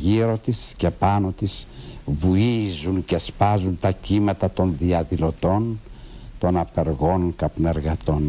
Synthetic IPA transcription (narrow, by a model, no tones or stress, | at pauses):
ʝiɾo̞t̪isce̞pɐno̞t̪isvuizunce̞spɐzunt̪ɐcimɐt̪ɐt̪o̞nðiɐðilo̞t̪o̞nt̪o̞nɐpe̞ɾɣo̞nkɐpneɾɣɐt̪o̞n